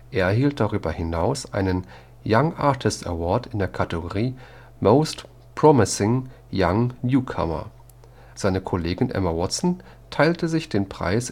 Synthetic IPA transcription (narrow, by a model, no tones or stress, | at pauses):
ʔeːɐɦiːlt̚d̥aʁyːbɐhɪnaʊsʔa̰ɪnən | jaŋʔa̰ɐtʰɪstɛ̰wɔɐtɪndeːɐkʰatəɡoʁiː | moʊst | pʁ̥ɔmɪsɪŋ | jaŋnjuːkʰa̰mɐ̰ | z̥aɪnəkʰɔleːɡɪnʔɛ̰mawɔtsn̩ | tʰaɪltəzɪçd̥eːnpʁ̥a̰ɪs